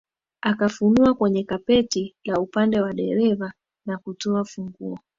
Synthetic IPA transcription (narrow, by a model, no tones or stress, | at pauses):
akafunuakwɛɲɛkapɛtilaupandɛwaɗɛɾɛva | nakutɔafuŋɡuɔ